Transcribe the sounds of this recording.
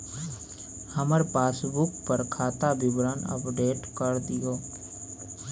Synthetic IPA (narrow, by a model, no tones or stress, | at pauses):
həməɾpaːsbʊkpəɾkʰaːt̪abɪbɾaːnə̰pɖeːʈkəɾd̪ijoː